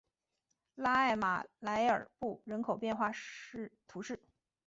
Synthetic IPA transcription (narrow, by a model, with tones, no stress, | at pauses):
la˥a˥˩ɪma̰˨˩la˧˥ɪə̰˞˨˩pu˥˩ɻə˧˥nkʰo˨˩ʊpjɛ˥˧nxwa˥˧˥t̪ʰu˧˥ʂɻ̩˥˩